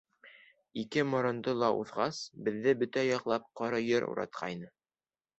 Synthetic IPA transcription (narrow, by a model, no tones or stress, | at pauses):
ikɘmŏɾɤ̆nd̪ɤlˠɑʔṵðʁɑsbɘ̆ðːɘbɵt̪æjɒqlˠɑp̚qɒɾɤjɤɾṵɾɑ̰t̪̚qʰɑ̰jnɤ